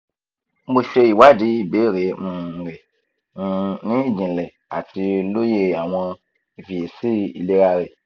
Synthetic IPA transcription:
m̩˦bo˧ʃe˧i˨wa˦di˨˦i˨be˨˦˨ɾe˨˦mũ˧˨˧ɾe˨˧ | nĩ˦i˦˨d͡ʒĩ˨lɛ˨ | a˨ti˧lo˦je˧a˨w̃ɔ̃˧ | i˨vi˨e˨si˦i˨le˦ɾa˧ɾe˨

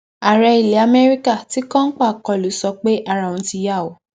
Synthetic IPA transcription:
a˨ɾɛ˧i˨le˨˦a˧mɛ˦ɾi˦ka˦˨ti˨˦kã˦n̩˦k͡pa˦˨kɔ˨lu˨˦sɔ˧k͡pe˦ʔa˦˨ɾa˨õ˨˦ti˧ja˦˨wo˨

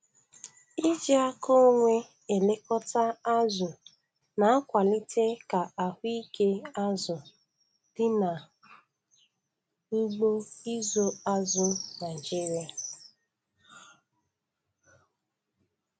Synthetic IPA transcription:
i˦d͡ʒi˦a˦ko˦ŋʷe˦ | e˨le˦kɔ˦ta˦a˦zʊ˨ | na˨a˦kʷa˨lɪ˦te˦ka˨a˨hʷʊ˦i˦ke˦a˦zʊ˨ | dɪ˦na˨˦ | ɡ͡bo˦i˦zo˦a˦zʊ˦na˨d͡ʒi˦ɾja˨

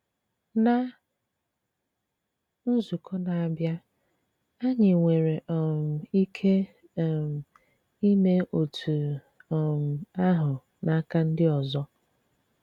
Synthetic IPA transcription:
na˨ | n̩˦zu˨kʰɔ˦na˨a˨bja˦ | a˦ɲɪ˨ŋʷe˨ɾe˨ʔɔ˨m̩˨i˦kʰe˦˨ | m̩˨ | i˦me˦ʔo˨tʰu˨ | ɔ˨m̩˨a˦ɦʊ˨ | na˨˦ka˦n̩˦dɪ˦ɔ˨zɔ˦

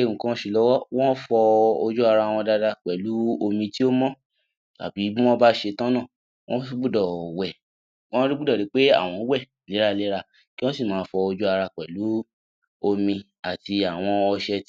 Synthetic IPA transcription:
e˨ũ˨kã˦ʃi˧lɔ˦wɔ˦w̃ɔ̃˦fɔ˧o˧d͡ʒu˦a˧ɾa˧˨w̃ɔ̃˧da˧da˧k͡pɛ˨lu˨˦o˧mĩ˧ti˦o˦mɔ̃˦ | ta̰˨bi˨˦i˦w̃ɔ̃˦ba˦ʃe˧tã˦nã˦˨ | wɔ̃˦fi˦ɡ͡bu˦dɔ˨wɛ˨ | wɔ̃˦ɾi˦ɡ͡bu˦dɔ˦˨i˨˦k͡pe˦a̰˦˨w̃ɔ̃˧˦wɛ˦˨ | le˨˦ɾa˦le˨˦ɾa˧ | ki˦w̃ɔ̃˦si˦˨mãː˨˦fɔ˧o˧d͡ʒu˦a˧ɾa˧k͡pɛ˨lu˨˦ | o˧mĩ˧ | a˨ti˧a˨w̃ɔ̃˧ɔ˧ʃɛ˧t

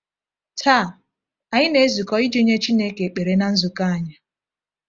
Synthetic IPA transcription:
tʰa˦˨ | a˨ɲɪ˦ne˦zi˨kɔ˦i˦d͡ʒi˦ɲe˦t͡ʃi˦ne˦ke˨k͡pe˨ɾe˨na˦n̩˦zʊ˨ka˦a˨ɲa˨

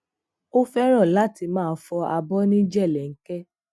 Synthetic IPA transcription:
o˦fɛ˦ɾ̃ɔ̃˦˨la˨˦˨ti˧mãː˦˨˦fɔ˧a˧bɔ˦nĩ˦d͡ʒɛ˦˨lɛ˨ŋ̩˦kɛ˦

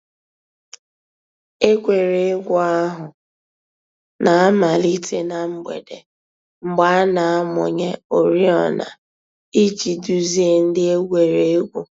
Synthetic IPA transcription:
e˦kʷe˨ɾe˨e˦ɡʷu˦a˦ɦʊ˨ | na˨a˦ma˨li˦te˦na˨m̩˦ɡ͡bḛ˨de˨ | ŋ͡m̩˨ɡ͡ba˨˦a˦na˨a˦mʊ˨ɲe˦o˨ɾi˦ɔ˨na̰˨ | i˦t͡ʃi˨du˨zi˦e˨n̩˦dɪ˦e˦ɡʷe˨ɾe˨e˦ɡʷu˨

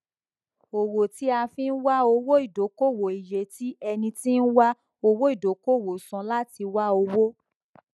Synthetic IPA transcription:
o˨wo˨ti˨˦a˧fĩ˦n̩˦wa˦o˧wo˦i˦˨do˨˦ko˦˨wo˨i˨je˨ti˦ɛ˧nĩ˧ti˦n̩˦wa˦ | o˧wo˦i˦˨do˨˦ko˦˨wo˨sɔ̃˧la˦ti˧wa˦o˧wo˦

